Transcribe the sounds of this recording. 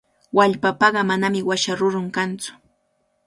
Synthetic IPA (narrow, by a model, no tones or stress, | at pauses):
waʎpapɑɢɑmanamɪwaʃaɾʊɾʊŋkant͡sʊ̥